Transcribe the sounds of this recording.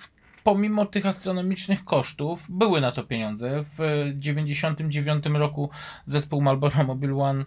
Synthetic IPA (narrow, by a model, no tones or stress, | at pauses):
pɔmʲimɔt̪ɘxast̪ɾɔnɔmʲit͡ʂnɘxkɔʂt̪uvbɘwɘnat̪ɔpʲjeɲɔnd̪zɛvd͡ʑevʲjeɲd͡ʑeɕɔnt̪ɘmd͡ʑevʲjɔnt̪ɘmɾɔkuzɛspuwmalbɔɾamɔbʲilwan